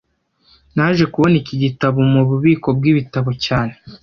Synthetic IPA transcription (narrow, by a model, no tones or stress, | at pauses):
naʒe̞kuβo̞niciɟitaβomuβuβiːko̞b̚ɡiːβitaβocaːne̞